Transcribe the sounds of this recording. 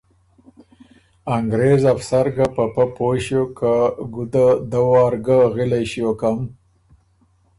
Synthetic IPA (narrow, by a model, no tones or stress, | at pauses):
aŋɡɾezafsaɾɡapapapoɕjokaɡud̪ad̪awɑːɾɡaɣilajɕiokam